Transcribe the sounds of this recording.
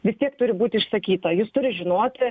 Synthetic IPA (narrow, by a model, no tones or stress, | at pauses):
ʋʲɪst̪ʲiɛkt̪ʊɾʲɪbuːt̪ʲɪɪʃsɐkʲiːt̪ɐjust̪ʊɾʲɪʒʲɪnoːt̪ʲ